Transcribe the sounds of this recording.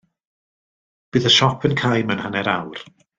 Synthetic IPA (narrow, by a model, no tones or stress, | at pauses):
b̥ɨːðəʃɔpʰənkʰajmənhanɛɾawr